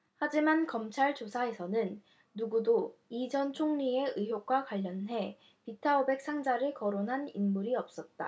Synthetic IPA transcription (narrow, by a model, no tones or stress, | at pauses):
had͡ʑimankʌmt͡ɕʰaɭt͡ɕosʰae̞sʰʌnɯnː | uɡudoid͡ʑʌnt͡ɕʰoŋɲie̞ɯɦjok̚k͈wakwaʎːʌnɦe̞ | pitʰaobe̞k̚s͈ʰaŋd͡ʑaɾɯɭkʌɾonɦaninmuɾiʌp̚s͈ʌt̚t͈a̰